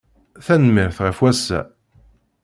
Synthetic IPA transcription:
θænmiɾθʁəfwæsːæ̰

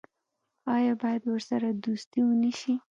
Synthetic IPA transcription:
ɑjɑbɑjad̪wəɾsaɾad̪ust̪iwəniʃi

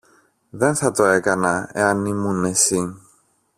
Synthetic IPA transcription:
ðe̞nθɐt̪o̞e̞kɐnɐe̞̰ɐnːimunesi

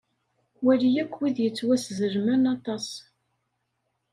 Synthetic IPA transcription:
wælijækʷːwiðjət͡sːwæszəɾmænɑt̪ˤɑs

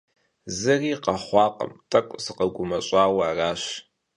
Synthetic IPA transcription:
zɨriːqɐχʷɑːqə̰mtʼɐkʷʼsɨqɐɡʷʊmɐɕʼaːwɐːraːɕ

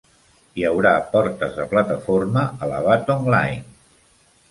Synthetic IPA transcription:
iəwɾapɔɾt̪əzðəplat̪əfoɾməələ̰β̞at̪oŋlajn

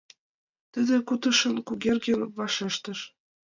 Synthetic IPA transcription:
t̪ə̆d̪ĕkut̪ɤ̆ʃɤ̆nkuɣʲerɡĕnβɑʃeʃt̪ɤ̆ʃ

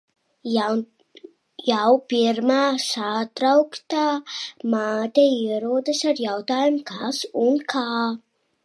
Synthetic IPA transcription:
jawpiɾmaːsat̪ɾawkt̪aːmaːt̪ʲɛiɛɾuɔd̪ɨsaɾjawt̪aːjumkʰasunkʰaː

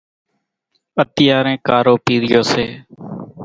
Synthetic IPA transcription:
ət̪ɪjaːɾẽːkaːɾoːpiːɾɪjoːseː

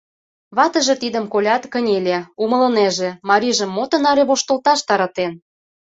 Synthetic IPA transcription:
βɑt̪ə̆ʒĕt̪id̪əmkolʲɑt̪kə̆nʲelʲeumə̆lɤ̆neʒĕmɑɾʲiʒə̆mːot̪ɤ̆nɑɾʲeβoʃt̪ŏlt̪ɑʃt̪ɑɾɑt̪en

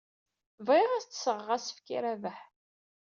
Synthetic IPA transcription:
vʁiʁæst͡s̪ːə̥səʁəʁæsə̥fkiɾævəħ

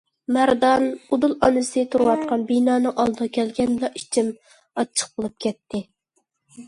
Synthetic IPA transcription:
mæɾd̪ɑnud̪ulˠɑ̰nɨsɨt̪ʰuɾwɑt̪̚qʰɑnbinɑːnɨŋʔɑlˠd̪ɨʁɑkʲʰɛlɡʲɛnblˠɑʔit͡ʃʰim | ɑt͡ʃʰːə̥q̚b̥olˠup̚kʲʰɛt̪ːɪ

